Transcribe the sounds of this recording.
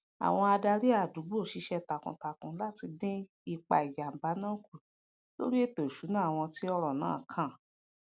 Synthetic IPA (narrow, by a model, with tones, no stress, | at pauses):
a̰˨w̃ɔ̃˧a˧da˧ɾi˦a˦˨du˨˦bo˦˨ʃi˧ʃɛ˧ta˨kṵ̃˨ta˨kũ˨˦la˦ti˧dẽ˦ | i˧k͡pa̰˧i˨d͡ʒa˨m̩˨ba˨˦nãː˦˨ku˨ | lo̰˦ɾi˦e˦to˨ʃu˨˦nãː˦˨w̃ɔ̃˧ti˦ɔ˧ɾɔ˨nã̰ː˦˨kʰã˦˨